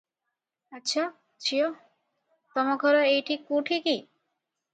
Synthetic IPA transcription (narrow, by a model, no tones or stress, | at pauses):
atːɕʰa | t͡ɕʰio | t̪ɔmaɡʱɔɾoejʈikuʈʰiki